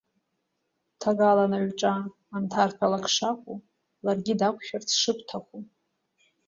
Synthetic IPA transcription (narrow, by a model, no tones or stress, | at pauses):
tʰaɡalanaɥʈ͡ʂʼaː | ntʰarpʰalakʰʂakʷʼu | larɡʲidakʷʰʃᶣart͡sʰʂɨpʰʼtʰaχʷu